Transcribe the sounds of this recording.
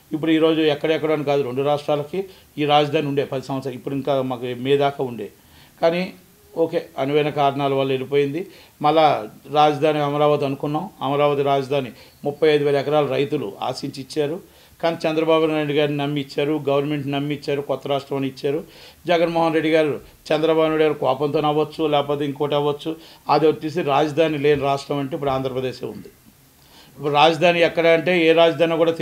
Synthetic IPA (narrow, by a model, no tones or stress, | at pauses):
ip̬ːuɽuiːɾo̞ːd͡ʒuɛkːɐɽɐɛkːɐɽoːnikaːd̪uɾe̞ɳɖuɾaːʂʈɾaːlɐki | iːɾaːd͡ʒɐd̪ʱaːniuɳɖeːpɐd̪isɐm̃ɐt̪sɾɐipːuɽuiŋkaːmaːkumiːd̪aːkaːuɳɖeː | kaːni | oːke̞ːɐnuʋɐjnɐkaːɾɐɳaːlɐʋaːlːɐe̞lipoːjind̪i | mɐlːaːɾaːd͡ʒɐd̪ʱaːniɐmɐɾaːʋɐt̪iɐnukunːaːmɐmɐɾaːʋɐt̪iɾaːd͡ʒɐd̪ʱaːni | mupːɐjɐjd̪uʋeɛːɾɐɛkɐɾaːlɐɾɐjt̪ulṵa̰ːsiɲt͡ʃit͡ʃːaːɾu | kaːnit͡ʃɛnd̪ɾɐbaːbunaːjɖiɡaːɾninɐmːit͡ʃːaːɾuɡɐʋɐɾnmeɳʈnɐmːit͡ʃːaːɾukɔt̪ːɐɾaːʂʈɾɐmɐnit͡ʃːaːɾud͡ʒɛɡɐnmɔːɦɐnɾeɖːiɡaːɾu | t͡ʃɛnd̪ɾɐbaːbunaːɽiɡaːɾukɔːpɐnt̪oːnɐʋːɐt͡ʃːulɛːkpoːt̪eiŋkoːʈɐʋɐt͡ʃːuad̪t͡ʃːisiɾaːd͡ʒɐd̪ʱaːnile̞ːniɾaːʂʈɾɐmɐɳʈeip̬ːuɽaːnd̪ʱɾɐpɾɐd̪eːʃḛːṵnd̪i | ipːuɽɾaːd͡ʒɐd̪ʱaːniɛkːɐɽaːɐɳʈe̞ːeːɾaːd͡ʒɐd̪ʱaːnikuːɽaːt̪